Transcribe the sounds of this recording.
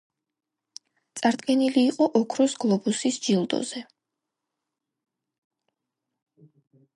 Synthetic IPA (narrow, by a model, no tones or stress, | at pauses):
t̪sʼaɾd̪ɡɛniliːqʼɔʔɔkʰɾɔsɡ̥lˠɔbusisd͡ʒilˠd̪ɔ̰zɛ